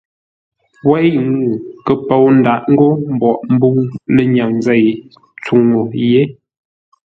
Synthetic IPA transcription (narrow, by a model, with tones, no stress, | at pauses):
wɛ˦jŋu˨kə˨po˨wn̩˨da˨ʔŋ̩˦ɡo˦m̩˨bɔ˨ʔm˦bu˦ŋlə˦ɲa˨ŋzɛ˦˨j | t͡su˨ŋo˨je˦